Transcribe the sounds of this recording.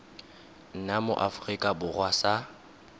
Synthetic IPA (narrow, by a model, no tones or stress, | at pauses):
n̩namʊ̰ʔafʊrikʼabʊrwasa